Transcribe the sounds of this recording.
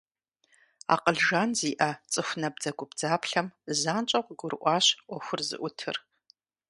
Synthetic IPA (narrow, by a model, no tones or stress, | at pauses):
a̰qəɮʒanziːʔɐt͡sʼɨxʷnɐb̚d͡zɐɡʷʊbd͡zaːpʰɬɐmzaːnt͡ʃʼɐqʷɡʷʊrʔʷɑːɕʔʷɐxʷʊrzɨ̰ʔʷʊtʰɨ̰r